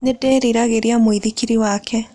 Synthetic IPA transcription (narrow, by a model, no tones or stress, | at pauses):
nedɛɾiɾaɣeɾeamoiðikiɾiwakʰɛ